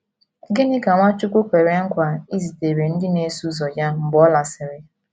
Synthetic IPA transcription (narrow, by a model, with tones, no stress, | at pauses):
ɡɪ˦nɪ˦ka˨mʷa˦t͡ʃʊ˦kʷʊ˦kʷe˨ɾe˦ŋ̩˦kʷa˨i˦zi˨te˨ɾe˨n̩˦dɪ˦ne˦su˦zɔ˨d͡ʒa˦m̩˨bɔ˦la˨sɪ˨ɾɪ˦